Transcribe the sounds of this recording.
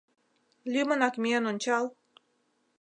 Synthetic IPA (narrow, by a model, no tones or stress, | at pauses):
lʲymə̆nɑkmʲeənonʲt͡ɕɑl